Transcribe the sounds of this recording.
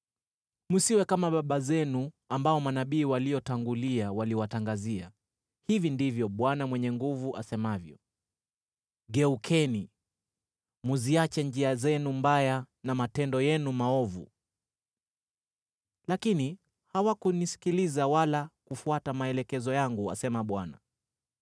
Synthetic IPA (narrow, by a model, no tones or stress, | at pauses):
musiwɛkamaɓaɓazɛnu | ambaɔmanaɓiːwalijɔtaŋɡuliawaliwataŋɡazia | hivindivjɔɓwanamwɛɲɛŋɡuvuʔa̰sɛmavjɔ̰ | ɡɛukʰɛni | muziat͡ʃɛɲd͡ʒiazɛnumbaja | namatɛndɔjɛnumaɔvṵ | lakini | hawakunisi̥kilizawalakufuatamaɛlɛkɛzɔjaŋɡua̰sɛmaɓwana̰